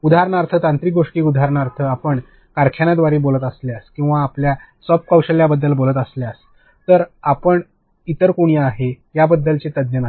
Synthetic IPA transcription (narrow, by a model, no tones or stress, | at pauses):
ud̪ʱaɾɳaɾt̪ʰət̪ant̪ɾiːɡoʂʈiːkud̪ʱaɾɳaɾt̪ʰəapəɳ | kaɾkʰjanad̪ʋaɾiːbolət̪əsleaskĩw̃ʋaːplja | sɔpkawɕəljabəd̪ːəlbolət̪əsljas | t̪əɾapəɳ | it̪əɾkuɳ̃ijaaɦe | jabəd̪ːəlt͡set̪əd̪jəna